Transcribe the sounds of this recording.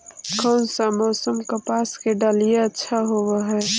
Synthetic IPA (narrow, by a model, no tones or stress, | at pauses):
kɔːnsamɔːsəmkəpaːskeɖalijeətːʃʰaɦowaɦɛː